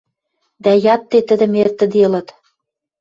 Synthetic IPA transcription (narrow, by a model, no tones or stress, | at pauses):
d̪æjɑt̪ːet̪ə̆d̪ɘ̆mert̪ə̆d̪elɤ̆t̪